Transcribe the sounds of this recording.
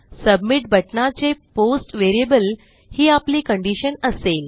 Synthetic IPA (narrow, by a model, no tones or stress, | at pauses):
səbmiʈ̚bʱəʈnat͡seposʈʋeɾijəbəl | hiːapliːkəɳɖiɕənəsel